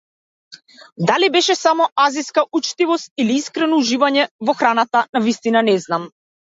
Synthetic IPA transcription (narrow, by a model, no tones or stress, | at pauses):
d̪alibɛʃɛsamɔaziskaʔut͡ʃt̪ivɔst̪̚iliiskɾɛnɔuʒivaɲɛvɔxɾanat̪anavist̪inanɛznam